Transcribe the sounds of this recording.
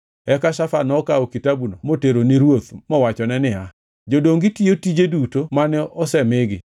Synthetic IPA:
ɛkaʃafanɔkaokitabunomoteɾoniɾwot̪mɔwat͡ʃɔnɛnɪa | d͡ʒodoŋɡitiotid͡ʒedutomanɛɔsɛmɪɡɪ

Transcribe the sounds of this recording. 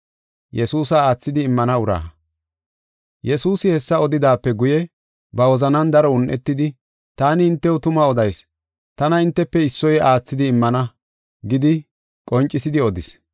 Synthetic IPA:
jɛsuːs̬aaːt͡sːɪd̪ɪːmːɐnɐʊɾa̰ː | jɛsuːsɪhɛsːɐɔd̪ɪd̪aːpːɛɡʊjɛ | bɐwɔzɐnɐnd̪ɐɾɔʊnʔɛt̪ːɪd̪ɪ | t̪aːnɪɪnt̪ːɛwʊt̪ʊmɐɔd̪ɐjs | t̪ɐnɐɪnt̪ːɛpːɛɪsːɔjaːt͡sːɪd̪ɪːmːɐnɐ | ɡɪd̪ɪ | kʼɔnt͡ʃʼːɪsɪd̪ɪɔd̪ɪs

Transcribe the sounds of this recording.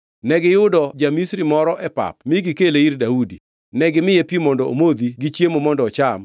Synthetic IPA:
nɛɡɪjʊdɔd͡ʒamisɾimɔɾɔʔɛpa̰pmɪɡɪkeleiɾdaudi | nɛɡɪmɪjepimɔndɔo̰mod̪iɡit͡ʃjemomɔndɔt͡ʃam

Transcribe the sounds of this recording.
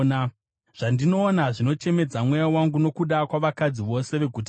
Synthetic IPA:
na | ʐ̥andino̞ːnaʐino̞t͡ʃe̞me̞d͡zamwejawaŋɡuno̞kuɗakwaʋakad͡ziʋo̞se̞ʋe̞ɡʱut

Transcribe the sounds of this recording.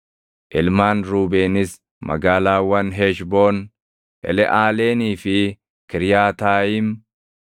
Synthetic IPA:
ʔɪlmaːnɾuːbeːnɪs | mɐ̰ɡaːlaːwɐnɦɛʃboːn | ʔɛ̰lɛʔaːleːniːfɪ | kɪɾjaːt̪aːjɪm

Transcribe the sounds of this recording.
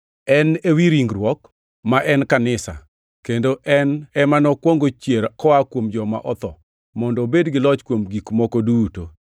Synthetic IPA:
ɛnewiɾiŋɡɾwɔk | maʔɛnkanɪsa̰ | kendoʔɛnɛmanɔkwoŋɡot͡ʃjeɾkɔakwomd͡ʒɔma̰ʔɔt̪ɔ | mɔndɔbedɡɪlɔt͡ʃkwomɡikmɔkoduto

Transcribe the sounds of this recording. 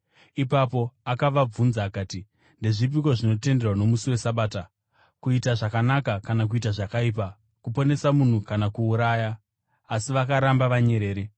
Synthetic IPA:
ipapo̞akaʋab͡vunzaːkaːti | ndeʐip̬iko̞ʐino̞te̞nde̞rwano̞musiwe̞saɓaːta | kuitaʐakanakakanak̬uitaʐakaip̬a | kupo̞ne̞samun̤ukanakuːɾajaː | siʋakaɾambaʋaɲe̞ɾe̞ːɾe

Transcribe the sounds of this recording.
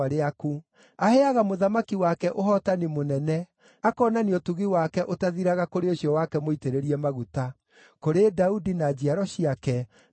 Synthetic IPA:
aɾeaku | ahɛaɣamoðamakiwakɛʔoɦɔtanimonɛnɛ | akɔːnaniɔtuɣiwakɛʔotaðiɾaɣakoɾeoɕiɔwakɛmoiteɾeɾiɛmaɣuta | koɾedaudinad͡ʑiaɾɔɕiakɛ

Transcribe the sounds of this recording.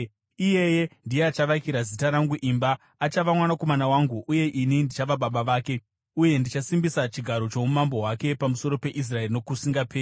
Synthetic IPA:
ije̞je̞ndijeat͡ʃaʋakiɾazitaɾaŋɡuʔimbaː | t͡ʃaʋamwanako̞manawaːŋɡuʔuje̞ʔinindit͡ʃaʋaɓaɓaʋaːke̞ | uje̞ndit͡ʃasimbisat͡ʃiɡʱaɾo̞t͡ʃo̞umambo̞ɦwake̞pamuso̞ɾo̞pe̞ʔis̬rae̞rinokusiŋɡapeː

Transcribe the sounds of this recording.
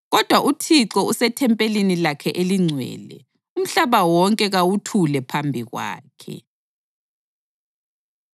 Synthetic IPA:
ɣɔd̥ʱwaʔutʰiǀɔusɛtʰɛmpʼelenilakʰɛʔeliŋ͡ǀʱwɛ̰ːlɛ̰ | um̩ɬaβawɔŋkʼɛɣawutʰulɛpʰambʱiɣwa̰ːkʰɛ̰

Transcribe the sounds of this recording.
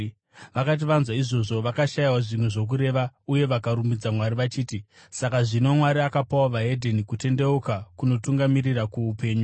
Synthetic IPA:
ʋakat̬iʋanzwaiʐo̞ʐo̞ʋakaʃajawaʐimwe̞ʐo̞k̬uɾe̞ʋauje̞ʋakaɾumbid͡zamwaɾiʋat͡ʃiːti | sakaʐino̞mwaɾiakapawaʋaɦe̞dʱenikute̞nde̞ukakuno̞tuŋɡamirirakuːpe̞ːɲu

